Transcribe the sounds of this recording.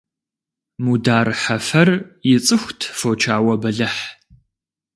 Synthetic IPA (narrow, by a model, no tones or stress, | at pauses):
mudaːrħɐfɐrjɪt͡sʼɨxʷtʰfoːt͡ʃʰaːwɐbɐɮɐħ